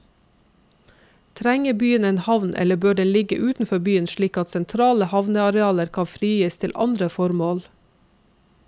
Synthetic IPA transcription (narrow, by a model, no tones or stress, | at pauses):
t̪ʰɾæŋəbyːəneːnhɑʋnʔɛ̰ləbøːɖɛnlɪɡəʔʉːt̪n̩fɔbyːənʃɭiːkɑt̪sɛnt̪ʰɾɑːləhɑʋnəɑɾɛɑːləɾkʰɑfɾiːjəːst̪ʰɪlʔɑ̰nd̪ɾəfɔɾmoːl